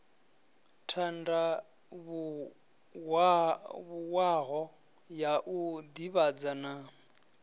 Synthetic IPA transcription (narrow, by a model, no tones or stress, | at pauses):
tʰanda | βu | aβuwaɣɔ | jaʔud̪iβad͡zana